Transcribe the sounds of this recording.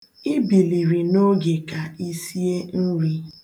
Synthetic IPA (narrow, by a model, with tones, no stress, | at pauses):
i˦bi˨li˨ɾi˨no˦ɡe˨ka˨i˦si˦e˦n̩˦ɾi˦